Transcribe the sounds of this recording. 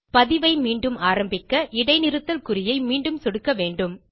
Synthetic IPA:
pɐðɪʋɐɪmiːɳɖɯmaːɾɐmbɪkːɐʔɪɽɐɪnɪɾɯt̪ːɐlkɯɾɪjɐɪmiːɳɖɯmsɔɽɯkːɐʋeːɳɖɯm

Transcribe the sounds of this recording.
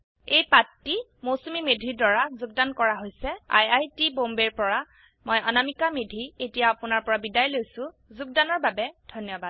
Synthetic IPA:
ejpatːi | mosumimedʱidwaɹazuɡ̚dankɔɹaɦojsɛa̰jajtibombeɹpɔɹa | moja̰namikamedʱietijaapʊnaɹpɔɹabidajlojsʊ̃ | zuɡ̚danɔɹbabɛd̥ʱɔnjɔbad̥̚

